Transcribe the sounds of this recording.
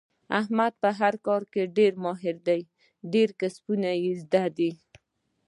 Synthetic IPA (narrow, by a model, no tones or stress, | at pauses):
ahmad̪̚pəɦaɾkɑɾkeɖeɾmɑɦɪɾd̪aj | ɖeɾkaspunajizd̪ad̪i